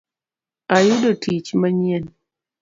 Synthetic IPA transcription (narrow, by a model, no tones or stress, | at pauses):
ajudotʰit͡ʃmaɲien